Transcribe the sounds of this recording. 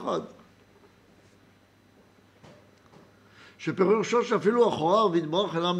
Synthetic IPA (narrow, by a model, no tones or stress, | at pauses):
χad̪ | ʃepeʁuʁʃoʃeafiluaχoaʁveid̪̚baʁaχelam